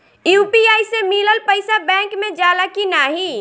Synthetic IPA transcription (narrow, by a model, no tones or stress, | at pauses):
jupiaːjsemiləlpəɪsabɛ̃ŋkmed͡ʒalakinaɦi